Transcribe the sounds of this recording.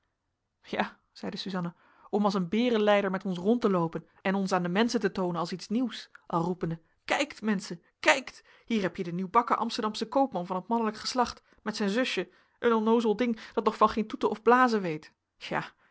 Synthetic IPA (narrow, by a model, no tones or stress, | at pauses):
jaː | z̥ɛjdəsyzɑnə | ɔmɑlˠs̬ənbɪːrənlɛjdəɹmɛtɔnsrɔntəlowpən | ɛnɔnsaːndəmɛnsəntətownənɑlˠsitsniwsʔɑlˠrupəndə | kɛjktmɛnsə | kɛjkt | ɦiːɹɦɛpjədəniwbɑkəʔɑ̰mstəɹdɑmsəkowpmɑnvɑnət̚mɑnələkχə̥slɑχt | mɛtsɛjnzɵʃjə | ʔənɔnowzəlˠdɪŋd̥ɑt̚nɔχfɑnχejntutəɔvblaːzəʋejt | ʃa̰ː